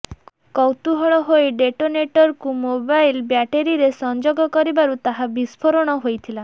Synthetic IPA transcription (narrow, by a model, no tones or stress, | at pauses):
kɔwt̪uɦɔɭɔɦoeɖeʈoneʈɔɾkumobajlbjaʈeɾiɾesɔnd͡ʒoɡɔkɔɾibaɾut̪aɦabispʰɔɾɔɽ̃ɔɦojt̪ʰila